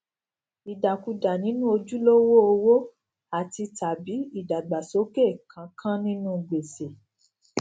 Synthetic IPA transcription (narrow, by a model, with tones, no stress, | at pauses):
i˨da˨ku˨˧da˨nĩ˨˦nũ˦o˧d͡ʒu˦lo˦wo˦o˧wo˦ | a˨ti˧ta˨bi˨˦i˦˨da˨ɡ͡ba˨so˨˦ke˦˨kʰã˨˦kʰã˦nĩ˦nũ˦˧ɡ͡be˨se˨